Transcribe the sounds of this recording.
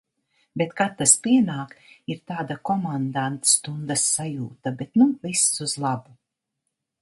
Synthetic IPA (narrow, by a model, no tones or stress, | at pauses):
bet̪kat̪ːaspʲiɛnaːkiɾt̪aːd̪akɔmand̪ant̪st̪und̪asːajuːt̪abet̪nuvisːuzlˠabu